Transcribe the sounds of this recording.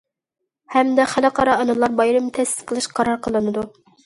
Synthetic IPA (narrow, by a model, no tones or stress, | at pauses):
hɛmd̪ɛχælɨqʰɑɾɑɑnɨlˠːɑɾbɑjɾɨmt̪ʰɛst̪ɪ̥t̪qʰəlˠɨʃqʰɑɾɑɾqʰəlˠɨnɨd̪u